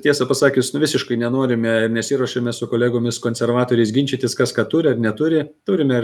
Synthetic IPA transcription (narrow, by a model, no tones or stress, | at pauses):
tʲiɛsɐpɐsɑːkʲʊsnʊʋʲɪsʲɪʃkɐɪnʲɛnoːɾʲɪmʲɛɪɾnʲɛsʲɪːɾuɔʃɐmʲɛsʊkoːlʲæːɡoːmʲɪskoːnʲsʲɛɾʋɑːt̪oːɾʲɛɪsɡʲɪnʲt͡ʃʲit̪ʲɪskɐskɑːt̪uːɾʲɪɐrnʲɛt̪uɾʲɪt̪uːɾʲɪmʲɛɪ